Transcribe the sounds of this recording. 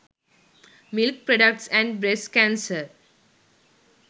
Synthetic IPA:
mɪlk̚pɾɔɖək̚ʈsæ̃ɳɖbɾeskæ̃nsəɾ

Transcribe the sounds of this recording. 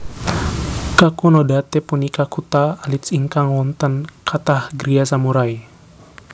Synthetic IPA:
kakunɔdat̪ɛpunikakut̪aːlit̪siŋkaŋwɔnt̪ənkʰat̪ahɡɾias̬amuɾaj

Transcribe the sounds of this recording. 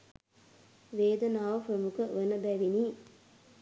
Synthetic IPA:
ʋeːd̪ənaːʋəfəmukəʋənəbæʋiniː

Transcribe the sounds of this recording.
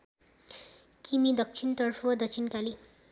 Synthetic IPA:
kimid̪ʌk̚t͡ʃʰint̪ʌrpʰʌd̪ʌt͡sʰinkali

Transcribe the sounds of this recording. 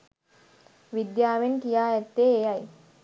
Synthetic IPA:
ʋid̪jaːʋenkijaːɛt̪ːeːjaj

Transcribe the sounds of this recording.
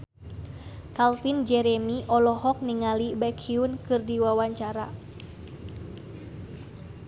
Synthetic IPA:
kalfind͡ʒɛɾɛmiʔɔlɔhɔk̚niŋalibɛkʰiunkɨrdiwawaɲt͡ʃaɾa̰

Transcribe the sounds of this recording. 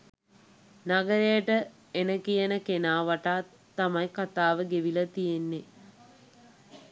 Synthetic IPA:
naɡəɾejəʈə | enəkijənəkenaːʋaʈaː | t̪ːamajkat̪aːʋəɡeʋilət̪ijenːe

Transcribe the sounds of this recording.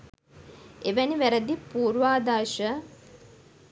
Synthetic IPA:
eʋæniʋæɾəd̪ipuːɾʋaːd̪aːʃə

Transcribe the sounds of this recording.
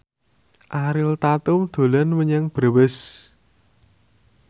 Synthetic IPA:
ʔaɾɪlt̪at̪ʊmd̪̥o̤lanwəɲɛŋb̥ɾawɛs

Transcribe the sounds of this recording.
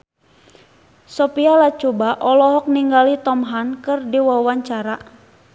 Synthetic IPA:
sɔpialat͡ʃubaʔɔlɔɦɔk̚niŋɡalit̪ɔmɦankɨrdiwawaɲt͡ʃaɾa

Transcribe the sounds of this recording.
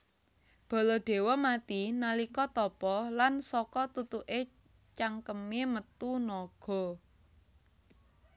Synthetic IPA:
b̥ɔ̤lɔɖ̪̥e̤wɔmat̪inalikɔt̪ɔpɔlansɔkɔt̪ut̪uʔe | t͡ʃaŋkəmemət̪unɔɡ̥ɔ̤

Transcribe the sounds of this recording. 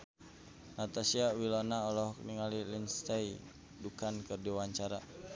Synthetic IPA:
nat̪asiawilɔnaɔlɔhkniŋalilinst̪ai | dukankɨrdiwaɲt͡ʃaɾa

